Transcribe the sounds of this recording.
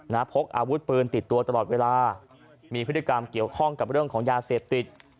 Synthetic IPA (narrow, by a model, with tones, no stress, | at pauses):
na˦˥pʰo˦˥k̚ʔaː˧wu˦˥t̪̚pɯː˧nt̪i˨˩t̪ːu˧ɐt̪ɾa˧lɔː˨˩t̪̚weː˧laː˧ | miː˧pʰɯ˦˥t̪ːi˧ka˧mki˨˩əwkʰɔ˥˩ŋka˨˩p̚ɾɯ˥˩əŋkʰɔː˩˦ŋjaː˧seː˨˩p̚t̪i˨˩t̪̚